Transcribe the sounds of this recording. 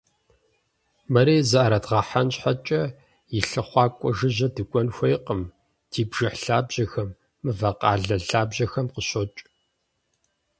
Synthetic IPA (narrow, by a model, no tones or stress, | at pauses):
mɐɾeːzɐʔaɾɐdʁɐħanɕħat͡ʃʼɐ | jɪɬɨχʷɑːkʷʼɔʒɨʑɐdɨkʷʼɔnxʷejqəm | d̥ʰiːbʒ̥ɨħɬaːbʑ̥ɐxɐmː | ɨvɐqɑ̰ːɮɐɮaːbʑɐxɐmqəɕɔt͡ʃʼ